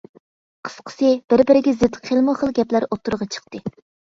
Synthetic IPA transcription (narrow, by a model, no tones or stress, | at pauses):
qʰə̥sqʰə̥sɨb̥ɪɾbɪɾɪɡʲɛzɪt̪χʰelˠmuχəlˠɡʲɛplæɾot̪ːuɾʁɑt͡ʃʰə̥χt̪ɨ